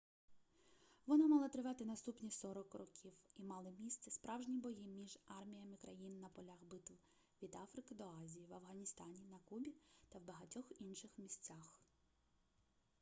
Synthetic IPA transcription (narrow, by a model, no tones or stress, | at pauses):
ʋɔnɑmɑlˠɐt̪ɾɪʋɑt̪ɪnɐst̪upnʲisɔɾɔkrɔkʲʰiwimɑlˠɪmʲist̪sɛspɾʔɑwʒnʲibɔjimʲiʒɑrmʲijɐmɪkɾɐjinːɐpɔlʲaxbɪt̪ʊw | ʋʲid̪ɑfɾɪkɪd̪ɔɑzʲijiʋɐwɦɐnʲist̪ɑnʲinɐkubʲit̪ɐwbɐɦɐtʲɔxinʃɪxmʲisʲt͡sʲax